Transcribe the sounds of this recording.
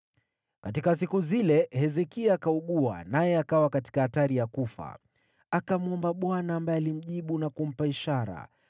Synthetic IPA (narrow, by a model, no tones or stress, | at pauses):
katikas̬ikuzilɛhɛzɛkiaakauɠua̰najɛakawakati̥kaataɾijakufa̰ | akamɔmbaɓwanaːmbajɛalim̩ʄiɓunakum̩paiʃaɾa̰